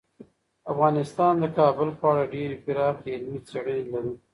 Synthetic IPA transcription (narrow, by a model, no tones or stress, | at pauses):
afɣɑnɪst̪ɑnd̪əkɑbʊlpəaɽaɖeɾepɪɾɑxɪlmit͡seɽənelaɾu